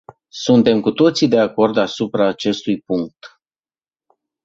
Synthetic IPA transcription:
sunt̪e̞mkut̪o̞t̪sid̪e̞ako̞rd̪asupɾaːt͡ʃe̞st̪ujpuŋk̚t̪

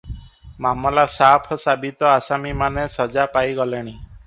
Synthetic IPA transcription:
mamɔlasapʰɔsabit̪ɔasamimanesɔd͡ʒapajɡɔleɽ̃i

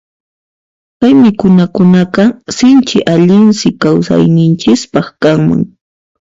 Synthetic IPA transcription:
pajmɪkʊnakʊnaqɑsɪnt͡ʃɪʔaʎɪnsɪkawsa̰jnɪnt͡ʃɪspɑχkaŋma̰ŋ

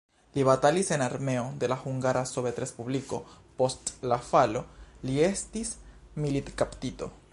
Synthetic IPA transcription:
liβat̪alise̞naɾme̞o̞d̪e̞laxuŋɡaɾasoβet̪ɾespubliko̞ | po̞stlafalo̞liestismilit̪kapt̪it̪o̞̰

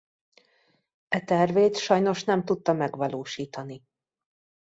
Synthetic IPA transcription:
ɛt̪ɛrveːt̪ʃɒjno̞ʃn̪ɛmt̪ut̪ːɒmɛɡʋɒloːʃiːt̪ɒni

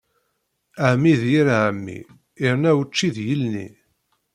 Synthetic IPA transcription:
əʕmiðjiɾaʕəmːḭː | ɾnæwət͡ʃːiðjəlnḭ

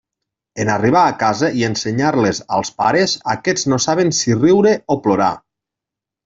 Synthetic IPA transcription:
enariβ̞aːkazəʔienseɲaɾleza̰lˠspa̰ɾezakɛznosaβensiriwɾeoploɾa̰

